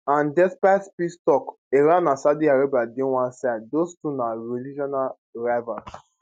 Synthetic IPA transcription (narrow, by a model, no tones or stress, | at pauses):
ãndɛspatspistɔk | eɾãnãsadiaɾebadẽwãnsadostunaɹelid͡ʒɔnal | ɹavas